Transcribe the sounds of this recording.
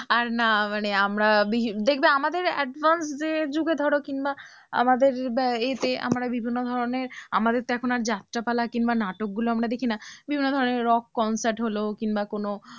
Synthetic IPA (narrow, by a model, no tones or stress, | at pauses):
aɾnamaneamɾabid̪ekʰbeamad̪eɾɛɖvansd͡ʑed͡ʑuɡed̪ʱɔɽokinba | a̰mad̪eɾet̪eʔa̰mɾabibʱinːod̪ʱɔɾoneɾa̰mad̪eɾt̪eɛkʰonaɾd͡ʑat̪ːɾapalakinbanaʈok̚ɡuloamɾad̪ekʰinabibʱinːod̪ʱɔɾoneɾːɔkːɔnsaɾʈɦolokinbakono